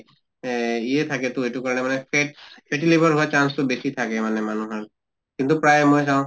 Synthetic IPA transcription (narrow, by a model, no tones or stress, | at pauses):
iɛt̪ʰakɛtʊetukɔɹlɛmanɛpʰɛpʰɛʈilebʱaɹɦoat͡ʃanstʊbesit̪ʰakɛmanɛmanuɦaɹ | kint̪upɹajɛmojs̬aw̃